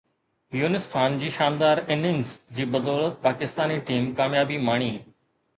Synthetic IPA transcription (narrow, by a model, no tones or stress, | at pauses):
juːnɪskʰaːnd͡ʑiːʃãːnd̪aːɾɪnɪ̃ŋzd͡ʑiːbɐd̪ɔːlət̪̚paːkɪst̪aːniʈiːmkaːmjaːbimaːɳ̃iː